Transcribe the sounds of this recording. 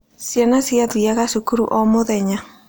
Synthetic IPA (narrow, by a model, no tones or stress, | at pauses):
sjanasiaðijaɣasukuɾṵʔɔmoðɛɲa